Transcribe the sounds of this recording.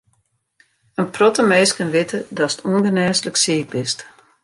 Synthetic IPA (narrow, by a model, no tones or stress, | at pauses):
ənprɔtəmeːskənʋɪtʰədɔsə̥tʰuənɡənɛːsləksiək̚bɪst